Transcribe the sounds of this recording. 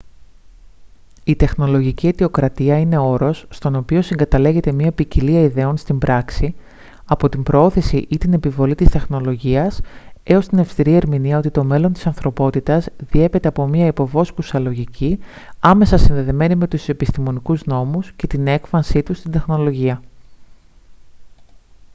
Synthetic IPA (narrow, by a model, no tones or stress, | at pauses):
it̪e̞xno̞lo̞ʝicie̞t̪io̞kɾɐt̪iɐine̞o̞ɾo̞sːt̪o̞no̞pio̞siŋɡɐt̪ɐle̞ɣe̞t̪e̞mɲɐpiciliɐiðe̞o̞nst̪imbɾʔɐksi | ɐpo̞t̪imbɾo̞o̞θesiʔit̪ine̞pivo̞lit̪ist̪e̞xno̞lo̞ʝiɐse̞o̞st̪inefst̪iɾie̞ɾminiɐot̪it̪o̞me̞lo̞nt̪i̥sɐnθɾo̞po̞t̪it̪ɐzðie̞pe̞t̪e̞ɐpomiɐipo̞vo̞skusɐlo̞ʝici | ɐme̞sɐsinðe̞ðeme̞nime̞t̪use̞pist̪imo̞nikuzno̞musce̞t̪ine̞kfɐnsit̪ust̪ind̪e̞xno̞lo̞ʝiɐ